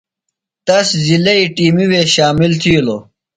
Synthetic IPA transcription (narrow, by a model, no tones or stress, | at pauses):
t̪ɐszilɐiʈiːmiweːɕaːmilt̪ʰiːloː